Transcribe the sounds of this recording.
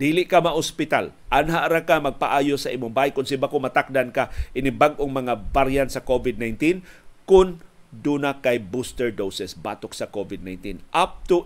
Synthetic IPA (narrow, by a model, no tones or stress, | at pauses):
d̪iːlɪʔkamaʔʊspɪt̪al | ʔanɦaʔɾakamɐɡ̚paʔaːjosɐʔiːmʊŋbajkʊnsɪbakomɐt̪ak̚d̪ankaʔɪnɪbaɡ̚ʔoŋmɐŋabaɾjansɐkovɪd̪̚najnt̪inkʊn | d̪uːnakajbust̪ɛɹd̪owsɛsbaːt̪oksɐkovɪd̪najnt̪inʔap̚t̪ʊ